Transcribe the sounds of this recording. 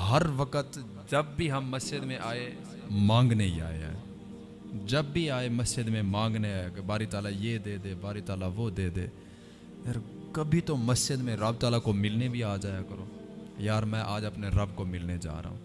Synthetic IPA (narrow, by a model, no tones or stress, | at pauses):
ɦəɾʋəkət̪ | d͡ʒəbːiɦəmːəsd͡ʒɪd̪mẽʔaːe | mãːŋɡneid͡ʒa̰ːḛ | d͡ʒəbːiaːeməsd͡ʒɪd̪mẽmãːŋɡneaːjakebaːɾit̪aːlajeːd̪eːd̪eːbaːɾit̪aːlaʋod̪eːd̪eː | jaːɾkəbʱit̪oməsd͡ʒɪd̪mẽɾəbt̪aːlakomɪlnebʱiaːd͡ʒaːjakəɾoː | jaːɾmɛ̃ːʔaːd͡ʒəpneɾəbkomɪlned͡ʒa̰ːɾa̰ːɦṵ̃ː